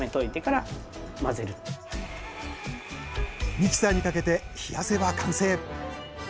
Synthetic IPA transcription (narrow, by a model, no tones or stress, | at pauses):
met̪o̞it̪e̞kaɾamaze̞ɾɯ̟ | mʲit͡ɕi̥saɲ̟ikake̞t̪e̞çijase̞βakãɰ̃se̞ː